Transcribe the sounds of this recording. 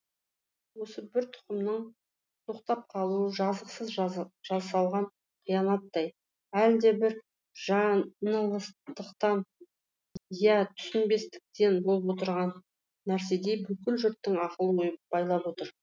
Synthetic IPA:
wo̞səbɪɾt̪ʰʊ̥qəmnəɴ | t̪ʰoqt̪ɑp̚qʰɑlˠuəʒɑzəqsəzʒ̥ɑsɑlˠʁɑɴ | qʰijɑnɑt̪ːɑj | æld̪e̞bɪɾ | ʒɑnəlˠəst̪əqt̪ɑn | jæt̪ʰʏ̥sʏnbe̞st̪ɪ̥k̚t̪e̞nbolˠəpwo̞t̪əɾʁɑnː | æɾs̬e̞d̪e̞bʏkʲɪlʒʏɾt̪ːɪŋɑqəlˠojəpb̥ɑjlˠɑpwo̞t̪əɾ

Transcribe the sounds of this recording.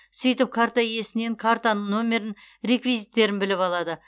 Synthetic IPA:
sʏjt̪ɪp̚kʰaɾt̪aje̞sɪne̞ŋkʰaɾt̪anəɴno̞mʲe̞ɾɪnɾʲe̞kvijzijt̪ːe̞ɾɪnbɪlɪpɑlˠɑd̪ə

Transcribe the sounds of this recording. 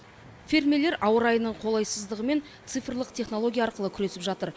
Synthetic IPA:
fʲiɾmele̞ɾʔɑwəɾɑjənəɴqʰo̞lˠɑjsəzd̪əʁəme̞nt̪sɨjfərlˠəqt̪ʰe̞χno̞lˠo̞ɡʲijaɑɾqəlˠəkʲʰʏɾe̞sɪpʒɑt̪əɾ

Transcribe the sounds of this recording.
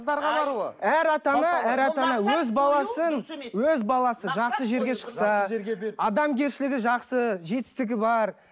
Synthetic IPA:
zd̪ɑɾʁɑbɑɾuəæɾɑt̪ɑnɑæɾɑt̪ɑnɑwɵzbɑlˠɑsənwɵzbɑlˠɑsəʒɑqsəʒe̞ɾɡʲe̞ʃə̥qsɑʒeɾɡʲeɑd̪ɑmɡʲe̞ɾʃɪlɪɡʲɪʒɑqsəʒe̞t̪ɪ̥st̪ɪɡʲɪbɑɾ

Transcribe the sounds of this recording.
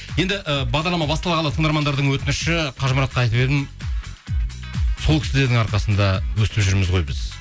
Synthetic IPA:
je̞nd̪ɪʔəbɑʁd̪ɑɾlˠɑmɑbɑst̪ɑlˠɑʁɑlˠɑt̪ʰəɴd̪ɑɾmɑnd̪ɑɾd̪əɴwɵt̪ɪnɪʃɪqʰɑʒməɾɑt̪qɑjt̪əped̪ɪm | so̞lˠkʲʰɪsɪd̪eɾd̪ɪŋɑɾqɑsənd̪ɑwɵst̪ɪpʒʏɾmɪzʁo̞jbɪz̥

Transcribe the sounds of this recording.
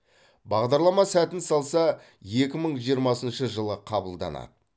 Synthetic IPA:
bɑʁd̪ɑɾlˠɑmɑsæt̪ɪnsɑlˠsɑ | je̞kʲɪməɴʒijəɾmɑsənʃəʒəlˠəqʰɑbəlˠd̪ɑ̰nɑ̰d̪ə

